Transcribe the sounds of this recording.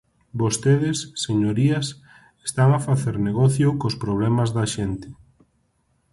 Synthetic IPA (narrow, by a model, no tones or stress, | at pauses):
bost̪eðesːeɲoɾiɐs | est̪aŋafaθeɾneɣɔθjʊkospɾoβ̞lɛmazðɐʃent̪ɪ̥